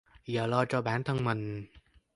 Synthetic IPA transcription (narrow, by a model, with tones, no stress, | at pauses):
jəː˨˩lɔː˧t͡ɕɔ˧ɓaː˧˩nt̪ʰə˧ŋmï˨˩ŋ̟